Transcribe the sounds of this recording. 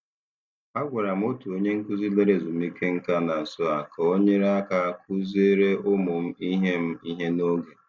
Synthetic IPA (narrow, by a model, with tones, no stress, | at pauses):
a˦ɡʷa˨ɾa˨m̩˦o˦tu˨o˦ɲe˦ŋ̩˦kʊ˦zi˦le˦ɾe˦˨zʊ˨m̩˦i˦ke˦ŋ̩˦ka˦na˨n̩˨sʊ˦a˨kɔ˨o˦ɲe˦ɾa˦ka˦˨kʰʊ˦ze˦ɾe˦ʊ˦mʊ˨m̩˦i˦ɦe˦m̩˦i˦ɦe˦no˦ɡe˨